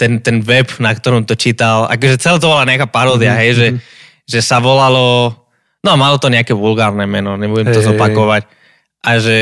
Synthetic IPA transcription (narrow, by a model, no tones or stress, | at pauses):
t̪ɛnt̪ɛnʋɛpnakt̪ɔɾɔmt̪ɔt͡ʃiːt̪ala̰kɔʒɛt͡sɛlɛːt̪ɔbɔlaɲɛakaːpaɾɔːd̪ɪaɦɛjʒɛ | ʒɛsaʋɔlalɔ | nɔmalɔt̪ɔɲɛakɛʋulɡaːɾnɛmɛnɔɲɛbuɟɛmmt̪ɔzɔpakɔʋac̚ | ʔaʒɛ